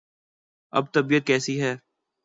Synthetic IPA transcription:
ɐ̰b̚t̪ɐbiːət̪̚kɛːsiɦɛː

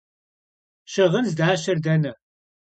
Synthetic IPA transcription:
ʃɐʁənzdaːɕɐrdɐnɐ

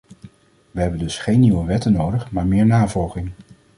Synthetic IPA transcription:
ʋəɦɛbəndɵsχejnːiwəʋɛtənowdəχmaːɹmɪːɹnaːvɔlˠχɪŋ

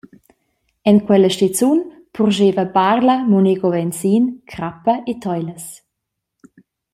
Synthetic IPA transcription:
ɛnkwɛləʃtit͡sun | pʰurʒeːvəbarləmoneɡovɛnt͡siːnkʰɾapəʔet̪ʰɔjləs

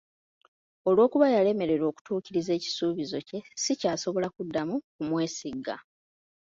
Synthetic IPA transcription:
o̞lwo̞ːkuβajale̞me̞ɾe̞ɾo̞ːku̥tuːciɾize̞ːci̥suːβizo̞ce̞sicaːso̞βo̞lakudːamukumwe̞ːsiɡa̰

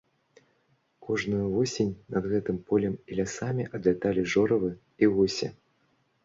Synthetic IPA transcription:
kʰɔʐnujuvɔsʲenʲnɐd̪ɣɛt̪ɨmpɔlʲɛmilʲasamʲiʔɐd̪lʲat̪alʲiʐɔɾɐvɨ | iɣusʲɛ̰

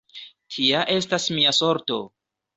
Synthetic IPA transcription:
tʰiaʔe̞stasmiaso̞ɾto̞̰

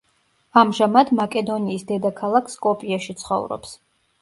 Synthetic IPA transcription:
amʒamad̪makʼɛd̪ɔniːsd̪ɛd̪akʰalˠakʰskʼɔpʼiaʃit̪sʰχɔ̰vɾɔ̰ps

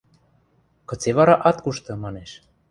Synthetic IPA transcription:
kɤ̆t͡seβɑɾɑʔɑt̪kuʃt̪ɤ̆mɑneʃ

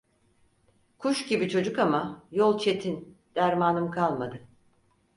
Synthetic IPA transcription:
kʰuʃɟibit͡ʃʰo̞d͡ʒukamajolˠt͡ʃʰe̞t̪ʰin | d̪̥æɾmaːnɯmkʰalˠmad̪ɯ

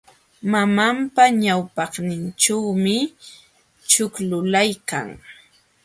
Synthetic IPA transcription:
mamampaɲawpɑχnɪnʈ͡ʂawmɪ | t͡ʃʊklʊlajka̰ŋ

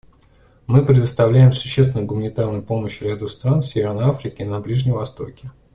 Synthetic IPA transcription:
mɨpɾʲɪd̪əst̪ɐvlʲæjɪmsʊ̥ɕːest̪vʲɪnʊjʊɡʊmənʲɪt̪arnʊjʊpo̞məɕɾʲad̪ust̪ɾanfʲsʲevʲɪrnəjafɾʲɪkʲɪnɐblʲiʐnʲɪmvɐst̪o̞kʲɪ

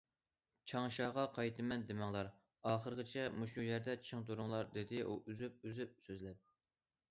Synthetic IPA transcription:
t͡ʃʰɑŋʃɑːʁɑqʰɑjt̪ʰɨmɛnd̪ɪmɑŋlˠɑɾ | ɑːχəɾqət͡ʃʰɛmuʃujɛɾd̪ɛt͡ʃʰɨŋt̪uɾʊŋlˠɑɾd̪ɪd̪ɪʔuʔyzyp̚yzyp̚søzlɛp̚

